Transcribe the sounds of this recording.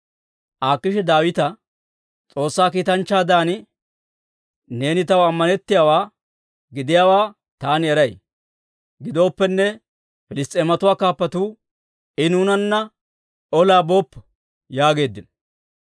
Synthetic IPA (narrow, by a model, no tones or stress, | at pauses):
ʔaːkːɪʃɛd̪aːwɪt̪ɐ | t͡sʼo̞ːsːaːkiːt̪ɐnt͡ʃːaːd̪aːnɪ | ne̞ːnɪt̪ɐwɐmːɐnɛt̪ːɪjaːwaː | ɡɪd̪ɪjaːwaː | t̪aːnɪɛɾɐj | ɡɪd̪o̞ːpːɛnːɛ | fɪlɪst̪ʼeːmɐt̪ʊwaːkaːpːɐt̪uː | ɪnuːnɐnːɐ | ɔlaːbo̞ːpː | jaːɡe̞ːd̪ːɪnɐ